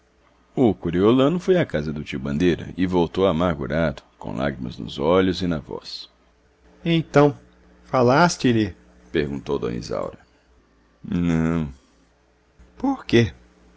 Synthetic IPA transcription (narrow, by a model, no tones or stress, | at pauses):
ʊkuɾiolɐ̃nʊfojakazɐd̪ʊt͡ʃibɐ̃nd̪ejɾɐ̰ʔɪvowt̪owamaɾɡuɾad̪ʊkõ̰w̃lʔa̰ɡɾimɐ̰znʊ̰zɔʎʊzɪnɐvɔ̰s | ẽnt̪ɐ̃w̃ | falast͡ʃɪlɪ | peɾɡũnt̪owd̪õ̰nḭza̰wɾɐ | nɐ̃w̃ | poɾke